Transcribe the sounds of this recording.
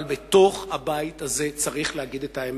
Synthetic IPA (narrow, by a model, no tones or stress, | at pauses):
lbeto̞χhabaitaze̞t͡saʁiχlehaɡid̪etaem